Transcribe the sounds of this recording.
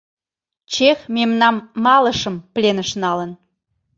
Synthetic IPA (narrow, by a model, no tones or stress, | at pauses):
t͡ɕexmemnɑmːɑləʃəmplenəʃnɑlən